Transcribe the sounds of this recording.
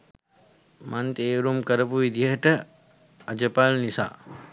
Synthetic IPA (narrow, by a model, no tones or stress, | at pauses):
mʔant̪eːɾumkəɾəpuʋid̪iəɦəʈə | ɐd͡ʒəpalnisa̰ː